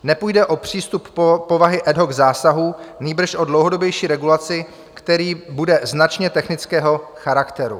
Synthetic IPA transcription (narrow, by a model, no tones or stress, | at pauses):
nɛpujdɛʔo̞pr̝̥iːst̪upːo̞vaɦɪʔɛdɦo̞ɡzaːsaɦuniːbr̩ʃʔo̞dlowɦo̞do̞bjɛjʃiːɾɛɡulat͡sɪ | kt̪ɛɾiːbudɛznat͡ʃɲɛt̪ɛxnɪt͡skɛːɦo̞xaɾakt̪ɛɾṵ